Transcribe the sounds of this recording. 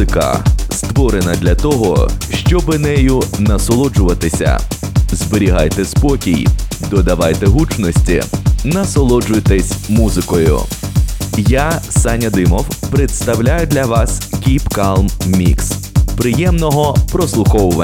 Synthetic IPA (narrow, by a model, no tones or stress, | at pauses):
ɪkɐ̰st̪ʋɔɾenɐd̪lʲɐt̪ɔɦɔ̰ʃt͡ʃɔbɪnɛjʊnɐsɔlˠɔd͡ʒʊʋɐt̪ɪsʲɐ̰zbeɾʲiɦajt̪ɛspɔkʲijd̪ɔd̪ɐʋajt̪ɛɦut͡ʃnɔsʲtʲḭnɐsɔlˠɔd͡ʒʊjt̪ɛsʲmuzɪkɔjʊ̰ | jasanʲɐd̪ɪmɔwpɾet̪st̪ɐwlʲajʊd̪lʲɐʋɑskʲipkalˠmːʲḭks | pɾɪjɛmnɔɦɔpɾɔslˠʊxɔwʊʋɐ